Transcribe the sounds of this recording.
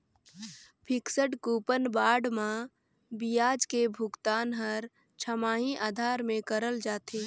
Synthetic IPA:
pʰɪksəɖkupənbaːɖmã | bijaːd͡ʒkebʱʊɡt̪aːnɦəɾ | t͡ʃʰəmaːɦĩʔaːd̪ʱaːɾmẽkəɾəld͡ʒaːt̪ʰeː

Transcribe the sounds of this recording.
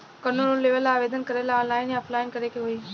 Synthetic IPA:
kənonõleʋəlaːʋeːd̪ʱənkəɾelaɔ̃ːnlaːɪnɐplaːɪnkəɾekʰeɦuiː

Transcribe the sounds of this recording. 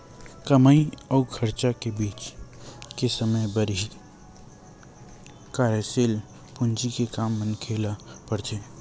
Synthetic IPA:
kəmaiɔːkʰəɾt͡ʃakebiːt͡ʃ | kesəməjbəɾi | kaːɾeseːl | pʊ̃nd͡ʒikekaːmːənkʰeːlapəɽt͡ʃeː

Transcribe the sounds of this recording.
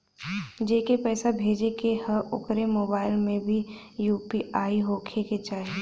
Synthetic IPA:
d͡ʒeːkepɛːsabʱeːd͡ʒekehəʊkɾemoːbaːɪlmẽbʱijuːpiʔaːiɦoːkʰeket͡ʃaːɦie

